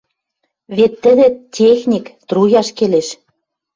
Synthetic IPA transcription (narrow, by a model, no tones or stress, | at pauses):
βet̪ːɘ̆ðĕtʲexnʲikt̪rujɑʃkeleʃ